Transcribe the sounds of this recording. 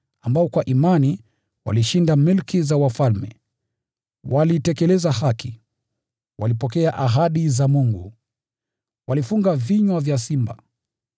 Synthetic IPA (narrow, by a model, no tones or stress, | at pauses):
ambaɔkwaʔimani | wa̰liʃindamilkizawafalmɛ̰ | walitɛkɛlɛzahaki | wʔalipɔkɛaʔaɦaɗizamuŋɡṵ | wʔalifuŋɡaviɲwavjasimba̰